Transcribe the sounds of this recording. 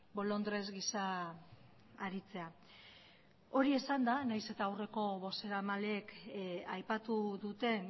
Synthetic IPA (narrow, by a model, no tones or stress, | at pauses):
bo̞lo̞nd̪ɾe̞zɡisa | ɾit͡se̞a | o̞ɾie̞sand̪anajse̞t̪aːwre̞ko̞βo̞se̞ɾamaleːkajpat̪uðut̪e̞n